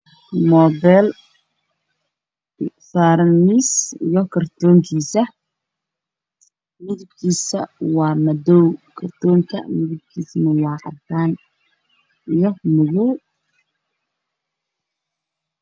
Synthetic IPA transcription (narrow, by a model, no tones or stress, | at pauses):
mɔːbɛːl | faɾnisijɔkʰɐrt̪ʰɔːŋkʰiːsɐ | mɪðʊb̚kʰiːsɐ̰wɑːmɐdɔwkʰɐrt̪ʰɔːŋkʰɐ̰mɪðʊb̚kʰiːsmɐwɑːqɑ̰t̪ʰaːn | ʔijɔmʊɣʊ